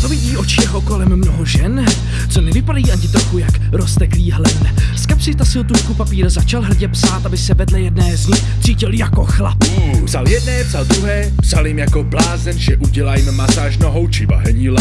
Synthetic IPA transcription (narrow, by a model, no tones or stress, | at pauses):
t͡s̪ovɪɟiːʔo̞t͡ʃɪjɛɦoko̞lɛmːnoɦoʒɛn | t͡sonɛvɪpadajiːʔaɲɪt̪ɾoxujak | ɾost̪ɛkliːɦlɛskapsɪt̪asɪlt̪uʃkupapiːɾzat͡ʃalɦr̩ɟɛpsaːt̪abɪsɛvɛdlɛjɛdnɛːzɲɪxt̪t͡siːcɪljako̞xla̰ppzaljɛdnɛːpz̥ald̪ɾuɦɛː | pz̥aljɪmjakoblaːzɛnʒɛʔuɟɛlaːjɪmːasaːʒnoɦowt͡ʃɪva̰ɦɛɲil